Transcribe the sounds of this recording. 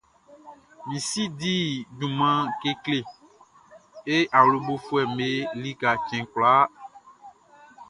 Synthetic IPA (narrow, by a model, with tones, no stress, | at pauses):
mĩ˨si˦di˦dũ˨mã˦ke˦kle˨ | e˦ʔa˨wlo˨bo˦fu˦ɛ˨me˦li˦ka˨t͡ʃɛ̃˨kla˦